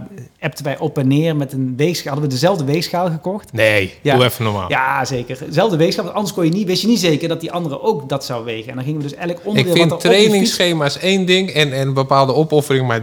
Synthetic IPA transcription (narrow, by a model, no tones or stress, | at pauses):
ɛp̚tənʋɛjʔɔpɛnːɪːrmɛtənʋejxsxaɦɑdəʋədəzɛlˠvdəʋejsxaːlˠɣəkɔxtnejauɛfənɔma̰ːljaːzejkərzɛlˠvdəʋexs̬xaːlˠʋɑntɑndəɹskɔnjəniʋɪstjənitzejkərdɑtdiʔɑndərəʔowkdɑtsɑwʋejɣənɛ̰ndɑnɣɪŋəʋədɵsɛjɣələkɔndədɪːlɑtrejnɪŋsχejmaːsejndɪŋɛnɛnəbəpaːlˠdəɔpɔfərɪŋma